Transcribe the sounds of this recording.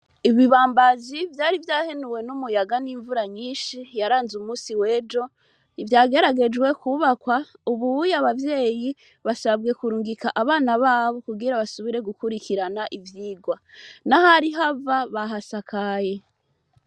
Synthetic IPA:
iβiβaːmbazivjaːɾivjaːhenuwe̞numujaɡaniːɱvuɾaɲiːnʃijaɾaːnzumuːsiwe̞ːd͡ʒo̞ | ivjaːɡe̞ɾaɡe̞d͡ʒɡwe̞kuβakwauβuujaβavje̞ːji | βasabɡe̞kuɾuːŋɡikaʔaβaːnaβaːβo̞kuɡiɾaβasuβiɾe̞ɡukuɾikiɾanaʔivjiːɡwanahaɾiɦavaβaɦasakʰaje̞

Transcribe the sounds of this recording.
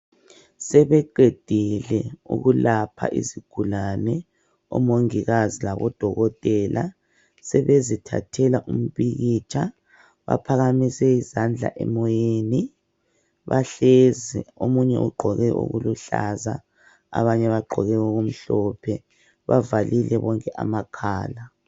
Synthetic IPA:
sɛβɛǃed̥ʱilɛṵɣulapʰa̰ʔiziɡ̥ʱulanɛ | ɔ̰moŋiɣazilaβɔd̥ʱɔɣɔtʼɛlʔa | sɛβezitʰa̰tʰɛlaʔum̩βiɣit͡ʃʰʼa | βa̰pʰaɣamisɛizand͡ɮʱa̰ʔɛmɔjeːni | βaɬeziomuɲɛʔṵɡ͡ǃʱɔɣɛʔṵɣuluɬaza | aβaɲɛβaɡ͡ǃʱɔɣɛɣoɣum̩ɬɔpʰɛ | βavalilɛβɔŋkʼɛʔamakʰaːla

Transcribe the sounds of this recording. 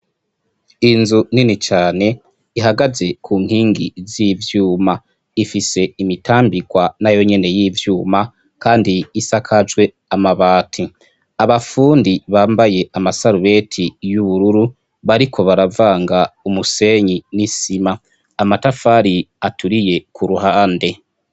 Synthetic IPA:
inzuninit͡ʃaːne̞ | iɦaɡaze̞kʰuːŋ̥hiːŋɡḭzivjuːma | ifise̞imitʰaːmbiɡwanajo̞ɲe̞ne̞jiːvjuːma | kaːndiːsakʰad͡ʒwe̞ | amaβaːtʰi | aβafuːndiβaːmbaje̞amasaɾuβe̞tʰijuβuɾuɾu | βaɾikʰo̞βaɾavaːŋɡaumuse̞ɲinisimaː | matafaɾiatʰuɾije̞kʰuɾuhaːnde̞

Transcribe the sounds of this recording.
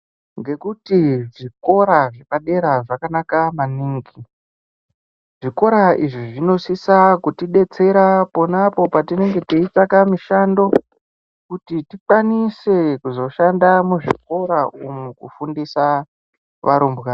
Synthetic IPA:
ŋɡe̞kutiʐiko̞ɾaʐekaɗe̞ɾaʐakanakamaniːŋɡi | ʐiko̞ɾaiʐiʐino̞sisakutiɗe̞t͡se̞ɾapo̞napo̞patine̞ŋɡe̞tiitakamiʃando̞ | kutitikwanise̞kuzo̞ʃandamuʐik̚o̞ɾaumukṵfundisa | ʋaɾumbɣa

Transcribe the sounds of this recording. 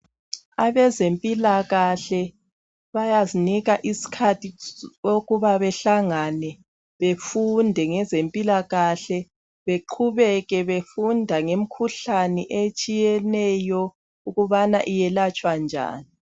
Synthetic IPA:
aβɛzempʼilaɣaɬɛ | βajaziniɣaʔisi̥kʰatʰioɣuβaβɛɬaŋanɛ | βefundʱɛŋɛzempʼilaɣaɬɛ | βeǃʰuβɛɣɛβefundʱaŋem̩kʰuɬanɛʔet͡ʃʼijɛnɛjɔ | uɣuβanaʔijɛlat͡ʃʼwand͡ʒʱa̰ːni

